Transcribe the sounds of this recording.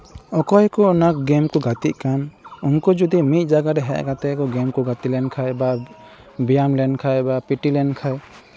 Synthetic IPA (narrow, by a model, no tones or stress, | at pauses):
ɔkɔjkɔɔnak̚ɡɛmkɔɡat̪iʔ̪̚kanunkɔd͡ʒud̪imit̪̚ˀd͡ʒaɡaɾɛɦɛ̰ʔkat̪ɛkɔɡɛmkɔɡat̪ilɛnkʰajba | bijamlɛnkʰajbapiʈilɛnkʰaj